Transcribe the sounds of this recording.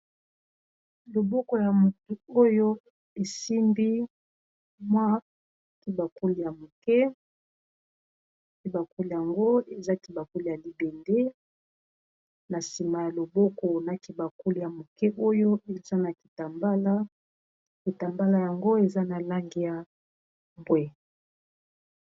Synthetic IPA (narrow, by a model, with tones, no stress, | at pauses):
lo˨bɔ˦kɔ˨ja˨mo˨to˨o˦jo˦ | e˨si˦mbi˦ | mwa˦ | ki˨ba˨ku˦li˨ja˨mo˨kɛ˦ | ki˨ba˨ku˦li˨ja˨ŋɡo˦e˨za˦ki˨ba˨ku˦li˨ja˨li˨be˨nde˦ | na˨si˨ma˨ja˨lo˨bɔ˦kɔ˨na˨ki˨ba˨ku˦li˨ja˨mo˨kɛ˦ʔo˦jo˦e˨za˦na˨ki̥˨ta˨mba˦la˦ | ki˨ta˨mba˦la˦ja˨ŋɡo˦e˨za˦na˨la˦ŋɡi˦ja˨ | mbwɛ˦